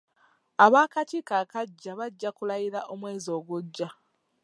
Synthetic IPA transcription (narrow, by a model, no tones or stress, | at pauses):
aβaːkatiːkaːkaɟːaβaɟːakulajiɾaʔo̞mwe̞ːzo̞ːɡuɟːa